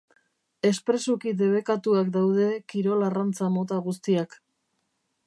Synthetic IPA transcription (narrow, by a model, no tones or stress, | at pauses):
e̞spɾe̞sukid̪e̞β̞e̞kat̪uakd̪awðe̞kiɾo̞larant͡samo̞t̪aɣust̪iak